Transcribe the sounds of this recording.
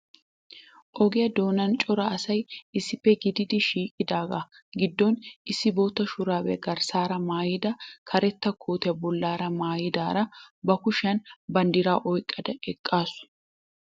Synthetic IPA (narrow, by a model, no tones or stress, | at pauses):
ʔɔɡɪjɐd̪o̞ːnɐnt͡ʃʼɔɾɐɐsɐjʔɪsːɪpːɛɡɪd̪ɪd̪ɪʃiːkʼɪd̪aːɡa | ɡɪd̪ːɔnɪsːɪboːt̪ːɐʃʊɾaːwɛ̰ɐɡɐɾsaːɾɐmaːjɪd̪ɐkʰɐɾɛt̪ːɐkʰoːt̪ɛɐbɔlːaːɾɐmaːjɪd̪aːɾɐbɐkʊʃɐnbɐnd̪ɪɾaːʔɔjkʼːɐd̪ɐɛkʼːaːsʊ̥